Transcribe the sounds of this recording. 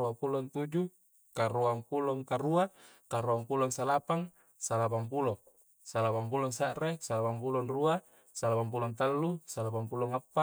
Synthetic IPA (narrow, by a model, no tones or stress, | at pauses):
uapulɔnt̪ud͡ʒu | kaɾuaŋpulɔŋkaɾua | kaɾuaŋpulɔŋsalapaŋ | salapaŋp̬ulɔ | salapaŋpulɔŋsaʔresalapaŋpulɔnrua | salapaŋp̬ulɔŋt̪alːusalapaŋpulɔŋapːa